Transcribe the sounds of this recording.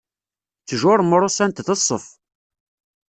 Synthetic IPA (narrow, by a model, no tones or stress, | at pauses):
t͡sːəʒʊɾˤməɾˤʊsænt̪θəsˤːəf